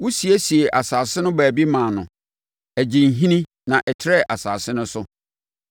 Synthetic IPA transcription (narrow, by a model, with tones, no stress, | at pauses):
wʊ˦si˨æ˦si˨e˨ʔa˨saː˨sɪ˦nʊ̃˦bæː˨bi˦mã˨nʊ̃˨ | æ˨d͡ʑĩ˨n̩˨ɦĩ˦nĩ˦ | nã˨ʔɛ˨tʰɪ˦ɾɛ˦˨ʔa˨sa̰ː˨sɪ˦nʊ̃˦sʊ˦